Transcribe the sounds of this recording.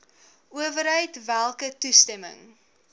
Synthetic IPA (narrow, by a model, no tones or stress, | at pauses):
uəvəɾɦəjtvælˠkətustɛmə̰ŋ